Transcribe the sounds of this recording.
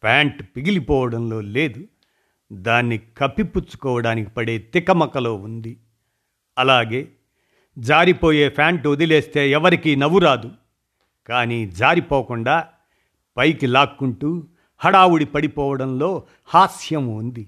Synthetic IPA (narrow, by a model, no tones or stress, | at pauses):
pʰaːɳʈpiɡilipɔːʋɐɽɐmlo̞ːleːd̪u | d̪aːnːikɐpːiput͡ʃːu̥kɔːʋɐɽaːniki̥pɐɽe̞ːt̪ikɐmɐkɐlo̞ːund̪i | ɐlaːɡe̞ː | d͡ʒaːɾipo̞ːje̞ːpʰaːɳʈod̪ile̞ːst̪e̞ːɛʋɐɾikiːnɐʋuɾaːd̪u | kaːniːd͡ʒaːɾipoːkuɳɖaː | pɐjkilaːkːuɳʈuː | hɐɽaːwuɽipɐɽipɔːʋɐɽɐmlo̞ː | haːsjɐmund̪i